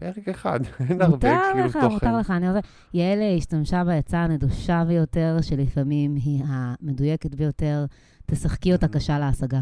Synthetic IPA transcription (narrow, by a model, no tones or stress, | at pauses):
peʁekeχa̰d̪enmauʁbtaʁleχamut̪aʁleχaːnioze | jeleiʃtamʃabejat͡saneduʃabejo̞te̞ʁʃe̞lifamimɦiame̞dujeket̪bejo̞te̞ʁ | t̪esaχkiot̪akaʃaleasaɡa